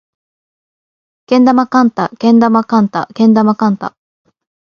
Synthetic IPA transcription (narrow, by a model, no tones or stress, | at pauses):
kẽ̞nd̪amakãnt̪akẽ̞nd̪amakãnt̪a̰kẽ̞nd̪amakãnt̪a̰